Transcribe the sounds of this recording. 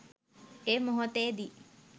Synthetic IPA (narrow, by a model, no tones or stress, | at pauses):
eːmoɦot̪eːd̪i